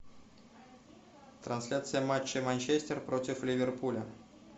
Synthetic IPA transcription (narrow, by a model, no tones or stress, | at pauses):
t̪ɾɐnsʲlʲat̪sɨjəmat͡ɕːɪmanʲt͡ɕesʲtʲerpɾotʲɪflʲɪvʲerpulʲə